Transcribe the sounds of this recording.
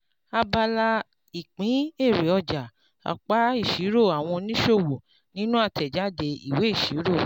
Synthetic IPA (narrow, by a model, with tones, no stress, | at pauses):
a˧ba˧la˧ | i˨k͡pĩ˨˦e˦˨ɾe˨ɔ˧d͡ʒa˨ | a̰˨k͡pa˨˦i˦˨ʃi˨˦ɾo˦˨a˨w̃ɔ̃˧nĩ˦ʃo˦˨wo˨ | nĩ˦nũ˦a˦˨tɛ˨d͡ʒa˨˦de˧ḭ˦˨we˨˦i˦˨ʃi˨˦ɾo˦˨